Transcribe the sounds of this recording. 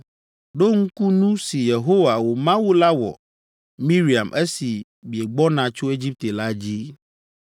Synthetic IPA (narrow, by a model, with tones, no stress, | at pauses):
ɖo˦ŋ̩˦ku˦nũ˦si˨je˨ɦo˦wa˨wo˨mã˦wu˦la˦wɔ̰˨ | mĩ˦ɾi˨a˨mʔɛ˦si˨ | mi˨e˨ɡ͡bɔ˦nã˨t͡ʃo˦e˦d͡ʑi˦p̚t̪e˨la˦d͡ʑi˦